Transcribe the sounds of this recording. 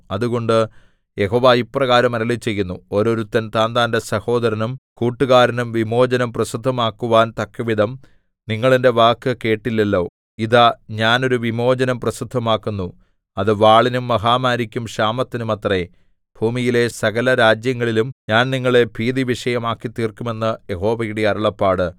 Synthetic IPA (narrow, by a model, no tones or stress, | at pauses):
ɐðuɣo̞ɳɖɨ | je̞ɦo̞ːʋaːjiprɐɣaːɾɐmɐɾɐlit͡ɕːe̞jːunːuo̞ɾo̞ɾut̪ːɐnt̪aːnd̪aːnde̞sɐho̞ːd̪ɐɾɐnumkuːʈːuɣaːɾɐnumʋimo̞ːd͡ʑɐnɐmprɐsid̪ʱːɐmaːkːuʋaːnt̪ɐkːɐʋid̪ɐm | niŋːɐɭinde̞ʋaːkːɨke̞ːʈːilːelːo̞ː | iðɐɲaːno̞ɾuʋimo̞ːd͡ʑɐnɐmprɐsud̪ʱːɐmaːkːunːu | ɐðɨʋaːɭinumːɐɦaːmaːɾikʲːumʂaːmɐt̪ːinumɐt̪re | bʱuːmijile̞sɐɣɐlɐɾaːd͡ʑjɐŋːɐɭilumɲaːnniŋːɐɭe̞bʱiːðiʋiʂɐjɐmaːkːit̪ːiːrkːume̞nːɨje̞ɦo̞ːʋɐɣiɽiɐɾɐɭɐpːaːɽɨ